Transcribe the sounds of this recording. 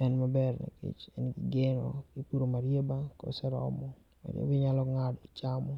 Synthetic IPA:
ɛnmabɛrna̰kḭt͡ʃɛnɡɪɡenɔ̰ɡipuɾomaɾjebako̰sɛɾɔ̰mɔ | ma̰ɾjḛbɪɲalɔŋadɔit͡ʃamɔ

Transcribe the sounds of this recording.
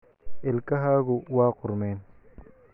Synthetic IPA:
ɪlkɐɦaːɣʊwaːqʊɾmɛːn

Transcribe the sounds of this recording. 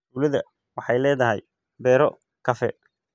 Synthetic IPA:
ulɐðɐ | wɑħɑjlɛːðɐɦɛj | bɛːɾɔ | kʰɐfɛ̰

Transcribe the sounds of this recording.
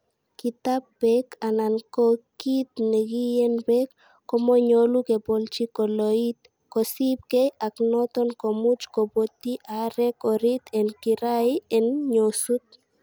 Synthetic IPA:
kit̪apːɛkanankɔkit̪nɛɡijɛnbɛkː | ɔmɔɲolukepɔlt͡ʃikɔloit̪̚ | kɔsip̚kejaknɔt̪ɔnkɔmut͡ʃkobot̪iʔaɾɛkɔɾit̪ɛnkiɾajɛnɲosut̪̚

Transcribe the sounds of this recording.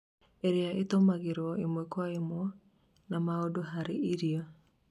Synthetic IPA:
eɾeaʔetomaɣeɾɔemwekwaemwɔ | namaodoɦaɾeʔiɾiɔ

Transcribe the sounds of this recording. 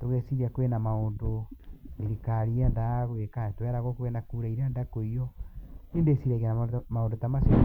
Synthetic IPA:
toɣesiɾiakwenamaondoeɾikaɾiandaɣwekatoaɾaɣɔkowenakuɾaiɾeandakoiɔneːndesiɾaɣenamaondotamasi

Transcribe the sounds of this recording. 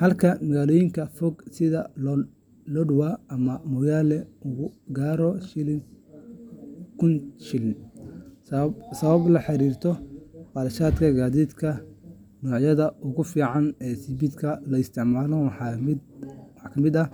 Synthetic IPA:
hɐlkʰɐmɐɣaːlɔːjɪŋkʰɐfɔɡsɪðɐ | lɔɖʊwaːɐmɐmɔːjaːlɛʊɣʊɡaːɾɔʃɪl | kʰʊnʃɪln | sɐβɐblɐħɑɾiːrt̪ʰɔqɑlɐʃaːd̪kʰɐɡaːðiːd̪kʰɐ | nɔːʕjɐðɐʔʊɣʊfiːʕɑnɛːsibid̪kʰɐlɐɪst̪ʰɪʕmaːlɔwħɑmɪħkʰɐmɪd̪ɐ

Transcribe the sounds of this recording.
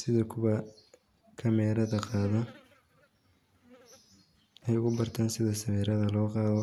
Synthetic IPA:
sɪðɐkʰʊβɐ | kʰɐmɛːɾɐðɐqɑːðɐ | ɛjʊɣʊbɐrt̪ʰaːnsɪðɐsɐβɛːɾɐðɐlɔːqɑːðɔ

